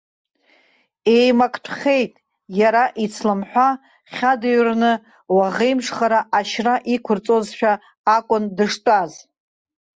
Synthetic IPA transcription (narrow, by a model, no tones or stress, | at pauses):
e̞jmakʰʼtʷʰχe̞jtʼ | jaɾaʔit͡sʰlɨmħʷᶣa | χʲadaɥrnɨ | waʁejmʂχaɾaʔaʃraʔikʷʰʊrt͡sʼo̞zʃᶣaː | kʷʼʊndɨʂtʼaz